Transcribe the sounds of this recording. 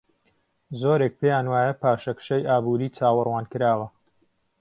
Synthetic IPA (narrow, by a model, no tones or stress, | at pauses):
zoːɾeːk̚pʰejaːnwaːjɐpaːʃɐkʃɐjʔaːbuːɾiːt͡saːwɨrwaːnkɨɾaːwɐ